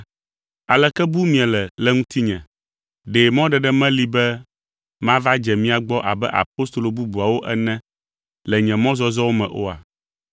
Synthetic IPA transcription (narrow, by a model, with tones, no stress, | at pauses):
a˨lɛ˨kɛ˦bu˦mĩ˦ɛ˨lɛ˨lɛ˦ŋũ˦t̪ʰi˦ɲɛ̃˨ | ɖe˨mɔ̃˦ɖɛ˨ɖɛ˦mɛ̃˦li˦bɛ˦ | mã˦va˦d͡ʒɛ˨mĩ˦a˨ɡ͡bɔ˦ʔa̰˨bɛ̰˦ʔa̰˨po˦st̪o˨lo˨bu˦bu˨a˨wo˦ʔɛ˦nɛ̃˦ | lɛ˨ɲɛ̃˨mɔ̃˦zɔ˦zɔ˦wo˦mɛ̃˨ʔo̰˦a̰˨